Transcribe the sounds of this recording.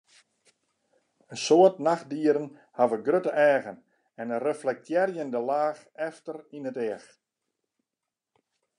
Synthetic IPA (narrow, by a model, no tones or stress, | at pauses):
ənsoətnax̚diəɾən | havəɡrøtəʔɛːɣən | ɛnərəflɛk̚tʰjɛrjəndəlaːx | ɛftərinətɛəx